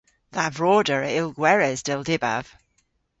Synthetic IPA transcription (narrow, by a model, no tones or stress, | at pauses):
ðavɹɔːdəɹəɪlˠɡwɛɹɛzdɪlˠdɪba̰v̥